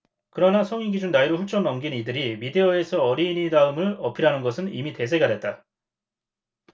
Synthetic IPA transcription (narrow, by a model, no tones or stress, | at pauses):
kɯɾʌnasʰʌŋiɡid͡ʑunːaiɾoɸuɭt͡ɕ͈ʌnnʌmɡinidɯɾimide̞ʌe̞sʰʌʌɾiːnidaɯmɯɭʌpʰiɾanɯnɡʌsʰɯnḭmite̞sʰe̞ɡadwe̞t̚t͈a